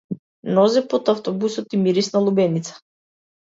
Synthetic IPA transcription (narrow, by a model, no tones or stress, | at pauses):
nɔzɛpɔt̪aft̪ɔbusɔt̪imiɾisnalˠubɛnit̪sḁ